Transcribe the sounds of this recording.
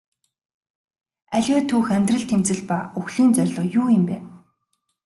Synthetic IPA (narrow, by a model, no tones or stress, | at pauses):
æɮʲwæːt̪ʰuːxæmʲt̪rə̆ɬt̪ʰemt͡sɘ̆ɮpauxɮ̥iːnt͡sœrʲɮʊːjuːjɪ̆mpæ̰ː